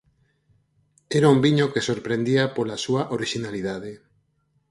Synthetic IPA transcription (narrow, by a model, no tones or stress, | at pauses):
ɛɾaumbiɲokesoɾpɾend̪iapolasuaʔoɾiʃinaliðaðe